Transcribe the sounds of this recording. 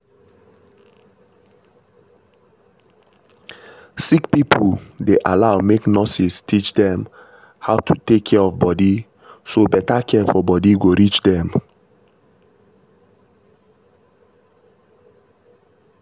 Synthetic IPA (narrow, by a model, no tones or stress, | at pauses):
sikpipʰdeʔalaʊmeknɔsistʰit͡ʃdɛ̃m | haʊtʰutekʰːɛɹɔvbɔdi | sobɛtakʰɛfɔbɔdiɡoɹit͡ʃdɛ̃m